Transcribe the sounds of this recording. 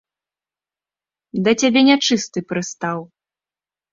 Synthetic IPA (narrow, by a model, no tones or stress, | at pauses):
d̪ɐt͡sʲabʲɛnʲat͡ʂɨst̪ɨpɾɨst̪aw